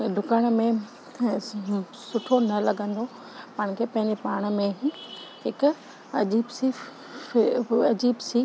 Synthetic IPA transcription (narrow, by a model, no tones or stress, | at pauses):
ɖʱʊkaːɽ̃̆mẽ | sʊʈʰonɐlɐɡə̃nd̪o | pɐɽ̃kʰepɐ̃ɦɪ̃ɲd͡ʑepaːɽ̃ə̆mẽɦɪk | ɐd͡ʑiːbsi | ɐd͡ʑiːbsiː